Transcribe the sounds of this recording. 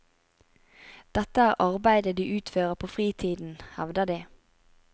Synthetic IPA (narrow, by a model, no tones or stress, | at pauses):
d̪̥ɛt̪əæːʁʔɑʁbæɪd̪əd̪iːʔʉːt̪føːʁəpʰoːfʁiːt̪ʰiːd̪n̩hɛʋd̪əd̪iː